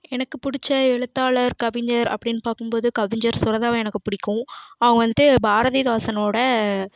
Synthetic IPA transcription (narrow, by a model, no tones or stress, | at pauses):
ɛnɐkːɯpʊɽɪt͡ʃːɐɛɻɯt̪ːaːɭɐɾkɐʋɪɲd͡ʒɐɾɐ̰pːɐɽɪnːpaːkɯmpoːðɯkɐʋɪɲd͡ʒɐɾsʊɾɐðaːʋɐ̃ɛnɐkːɯpʊɽɪkːʊ̃ɐʋɐŋɡɐʋɐnd̪ɯt̪ːɯbaːɾɐðiðaːsɐnɐmoːɽɐ